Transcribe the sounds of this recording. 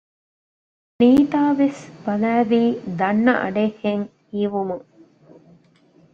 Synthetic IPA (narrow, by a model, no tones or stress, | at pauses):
niːt̪aːʋesb̥ɐlæːʋiːd̪ɐnːɐʔɐ̰ɖeheŋhiːʋumuŋ